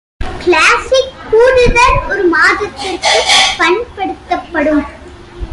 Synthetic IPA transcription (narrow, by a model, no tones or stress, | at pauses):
klaːsɪkːuːɾɯðɐɾɔɾɯmaːðɐt̪ːɪrkɯfɐnpɐɽɯt̪ːɐpːɐɽɯm